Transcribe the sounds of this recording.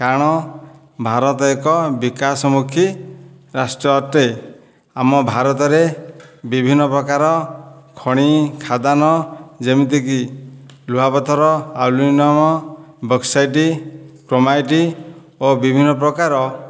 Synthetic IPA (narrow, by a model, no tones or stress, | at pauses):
kaɽ̃ɔ | bʱaɾɔt̪ɔekɔbikasɔmukʰi | ɾasʈɾɔt̪e | amɔbʱaɾɔt̪̬ɔɾebibʱinːɔpɾɔkaɾɔkʰɔɽ̃ikʰad̪anɔd͡ʒemit̪̬ikiluɦapɔt̪ɔɾɔawlinɔmɔbʱɔksajʈ̬ikɾomajʈi | obibʱinːɔpɾɔkaɾɔ